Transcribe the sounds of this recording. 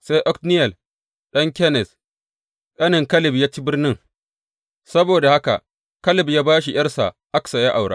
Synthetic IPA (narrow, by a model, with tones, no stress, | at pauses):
se˦jʔɔ˦knɪ˦jɛ˨l | ɗɐ˦ŋkʲɛ˦nɛ˨s | ɗɐ˦nɪ˨ŋkɐ˦lɪ˨bjaː˦t͡ʃi˦bɪ˦rnɪ˦ŋ | sɐ˦boː˨da˨ha˦ka̰˨ʔ | kɐ˦lɪ˨bjaː˦baː˦ʃ̬i˨jɐ˦rsa̰˨ | ʔa˦ksa˨ja˦ʔa˨wɽa̰˦